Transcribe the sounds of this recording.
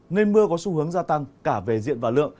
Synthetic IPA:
ŋə˧jmɨ˧əkɔ˨˦su˧hɨ˨˦əŋzaː˧t̪a˧ŋkaː˧˩ve˨˩zḭ˧˨ənvaː˨˩lɨ̰˧˨əŋ

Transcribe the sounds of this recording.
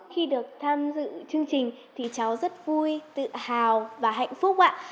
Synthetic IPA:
xi˧ɗɨ˨˩ək̚t̪ʰaː˧mzɨ̰˧˨t͡ɕɨ˧əŋt͡ɕï˨˩ŋ̟ | t̪ʰi˨˩t͡ɕa˨˦wzə˦˥t̚vu˧jt̪ɨ̰˧˨haː˨˩wvaː˨˩ɦa̰˧˨jŋ̟fʊ˦˥k͡p̚ʔa̰ː˧˨

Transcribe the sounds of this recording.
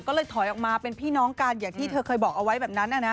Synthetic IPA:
kɔː˥˩lɤː˧jt̪ʰɔ˨˩˦jʔɔː˨˩k̚maː˧pe˧npʰiː˥˩nɔː˦˥ŋkaː˧njaː˨˩ŋt̪ʰiː˥˩t̪ʰɤː˧kʰɤː˧jbɔː˨˩k̚ʔa˧wa˦˥jbɛː˨˩p̚na˦˥nʔa˧˩na˦˥

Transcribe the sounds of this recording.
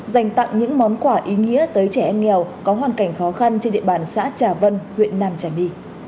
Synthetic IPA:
za˨˩jŋ̟t̪a̰˧˨ŋɲɨ̰˧˥ŋmɔ˨˦nkwaː˧˩ʔi˨˦ŋḭ˧˥ət̪əː˨˦jt͡ɕɛ˧˩ʔɛ˧mŋɛ˨˩wkɔ˨˦ɦwaː˨˩nka˧˩jŋ̟xɔ˨˦xa˧nt͡ɕe˧nɗḭ˧˨əɓaː˧˨˩nsa̰ː˧˥t͡ɕaː˧˩və˧nhwḭ˧˨ənːaː˧mt͡ɕaː˧˩jɗi˧

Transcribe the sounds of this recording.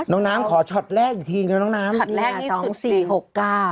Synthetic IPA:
nɔː˨˦˥ŋnaː˦˥mkʰɔː˩˦t͡ɕʰɔ˨˩t̪̚ɾɛː˥˩k̚juː˨˩t̪ʰiː˧ka˧nɔː˦˥naː˦˥mː˨˩˧sɔː˩˦˨ŋsiː˨˩ho˨˩kːaː˥˩

